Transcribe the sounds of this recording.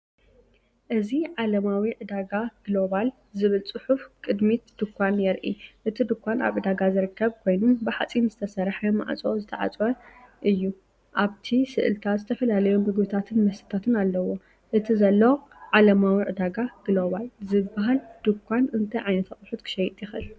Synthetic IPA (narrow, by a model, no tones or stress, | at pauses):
ʔɨziʕalɐmawiʕɨd̪aɡaɡ̥lo̞βal | zɨβɨlt͡sʼɨħufkʼɨd̪mit̪d̪̥ɨkʰʷːanjɛɾʔiʔɨt̪ʰid̪ɨkʷːana̰βʔɨd̪aɡazɨɾɨkʰːɐβkʰo̞jnunbɨħat͡sʼinzɨt̪ʰɐsɐɾħama̰ʕ̰t͡sʼozɨt̪ʰɐʕa̰t͡sʼwɐʔɨjːu | ʔaβt̪ʰisɨʔɨ̰lt̪ʰazɨt̪ʰɐfɐlalɐjumɨɡbɨt̪ʰat̪ʰɨnmɐst̪ʰɨ̥t̪ʰat̪ʰɨnalːɐwo̞ | ʔɨt̪ʰizɐlːoʕalɐmawiʕɨd̪aɡaɡ̥ɨlo̞βalzɨbːaɦald̪̥ɨkʷʰːanɨnt̪ʰɐjʕajnɐt̪ʰaχʼħut̪kʰɨ̥ʃɐjit̪ʼjɪxɨ̰l